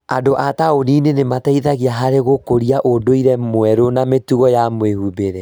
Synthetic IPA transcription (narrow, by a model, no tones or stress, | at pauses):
adoʔataoninenemataiðaɣiaɦaɾeɣokoɾiaʔodoiɾɛmwɛɾonametuɣɔjamwehubeɾɛ